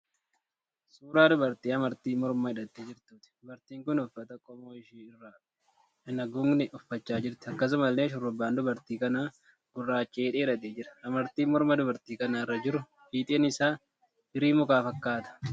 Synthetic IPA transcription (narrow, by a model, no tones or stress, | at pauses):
suːɾaːd̪ʊbɐɾt̪iːɐmɐɾt̪iːmɔɾmɐhɪᶑɐt̪ːeːd͡ʒɪɾt̪uːt̪ɪ̥d̪ʊbɐɾt̪iːŋkʊnʊfːɐt̪ɐkʼːɔmoːɪʃiːɪrːɐ | ɪnɐɡʊŋnɪʔʊfːɐt͡ʃːaːd͡ʒɪɾt̪ɪ̥ɐkːɐs̬ʊmɐlːeːʃʊrːʊbːaːnd̪ʊbɐɾt̪iːkɐnaː | ɡ̥ʊrːaːt͡ʃʼeːᶑ̪ʼeːᶑɐt̪eːd͡ʒɪɾɐ̥ɐmɐɾt̪iːmɔɾmɐd̪ʊbɐɾt̪iːkɐnaɪrːɐd͡ʒɪɾʊ | hiːt̪ʼeːnɪsaː | dɪɾiːmʊkaːfɐkːaːt̪ɐ̥